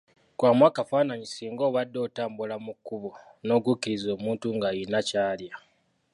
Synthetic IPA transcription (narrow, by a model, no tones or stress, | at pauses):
kwaːmwaːkafanaɲisiːŋɡo̞ːβadːo̞ːtaːmbulamukːuβo̞no̞ːɡukːiɾizo̞ːmuːntuŋɡajinacaːlja